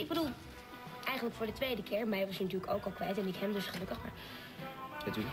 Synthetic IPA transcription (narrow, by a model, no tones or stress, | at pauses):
ɪɡ̚bədulˠ | ʔɛjχənləkfʊːɹdətʋejdəkɪːɹmɛjʋɑsnatyːɹləkowkɑlˠkʋɛjtɛnɪkɦɛmdɵsχəlɵkəχma̰ːɹ | ɛt